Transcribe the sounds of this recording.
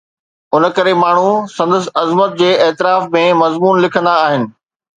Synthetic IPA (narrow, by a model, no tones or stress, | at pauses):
ʊn̆kɐɾemaːɳ̤usɐ̃nd̪əs̬̆ɐzmət̪̚d͡ʑeːeːt̪ɪɾaːfmẽmɐzmuːnlɪkʰə̃nd̪aːɦɪnɪ̆